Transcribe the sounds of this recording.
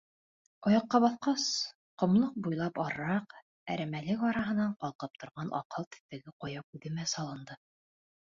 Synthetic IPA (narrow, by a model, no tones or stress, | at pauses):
ɑjɑqːɑβɑθqɑs | qŏmlˠɤq̚bujlˠɑpɒɾɾɑq | æ̰ɾæmælɘkɑɾɑɦɤ̆nɑɴqɑlˠqɤp̚t̪ŏɾʁɑnʔɑ̰qɤlˠt̪ɘ̥̆θt̪æɡɘqojɑp̚ʉðɘ̆mæsɑlˠɤ̆nd̪ɤ